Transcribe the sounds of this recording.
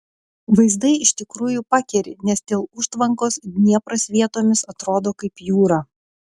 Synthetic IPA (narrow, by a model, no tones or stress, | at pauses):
ʋɐɪzd̪ɐɪɪʃʲt̪ʲɪkɾuːjʊpɑkʲɛɾʲɪ̰nʲɛsd̪ʲeːlˠʊʃt̪ʋɐŋkoːsnʲiɛpɾɐsʋʲiɛt̪oːmʲɪsɐt̪ɾoːd̪oːkɐɪpjuːɾɑː